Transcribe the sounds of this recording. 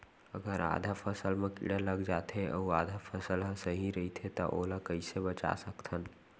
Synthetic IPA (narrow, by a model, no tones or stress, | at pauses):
əɡəɾa̰d̪ʱapʰəsəlmekḭɽələɡd͡ʒat̪ʰeʔə̰uad̪ʱapʰəsəlɦəsəɦiɾəit̪ʰet̪ɔ̰ʔolakəɪsebət͡ʃa̰səkt̪ʰən